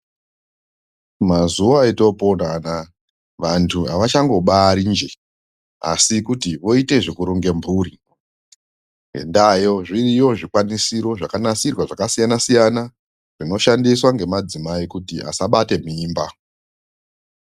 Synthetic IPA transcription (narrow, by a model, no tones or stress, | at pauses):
mazuʋaːito̞po̞nana | ʋantʰua̰ʋat͡ʃaŋɡo̞ɓaɾind͡ʒe̞ | a̰sikutiʋo̞ite̞ʐekuɾoŋɡe̞mbʱuːɾi | ɡḛndajo̞ʐirijo̞ʐikwanisiɾo̞ʐakanasirwaʐakasijanasijana | ʐ̥ino̞ʃandiswaŋɡe̞mad͡zimaikutia̰saɓate̞miːmba